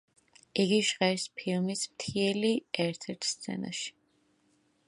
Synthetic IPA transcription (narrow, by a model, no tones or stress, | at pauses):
iɡiʒʁɛɾspʰilˠmismt̪ʰiɛliɛɾt̪ʰɛɾt̪ʰst̪sʰɛ̰na̰ʃi̥